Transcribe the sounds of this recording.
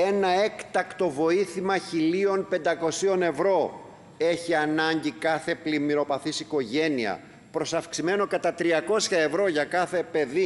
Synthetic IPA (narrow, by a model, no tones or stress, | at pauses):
e̞nɐe̞kt̪ɐkt̪o̞vo̞iθimɐçilio̞npe̞nd̪ɐko̞sio̞ne̞vɾo̞ | e̞çiɐnɐɲɟikɐθe̞plimiɾo̞pɐθisiko̞ʝe̞niɐ̰ | pɾo̞sɐfksime̞no̞kɐt̪ɐt̪ɾiɐko̞sçɐe̞vɾo̞ʝɐkɐθe̞pe̞ði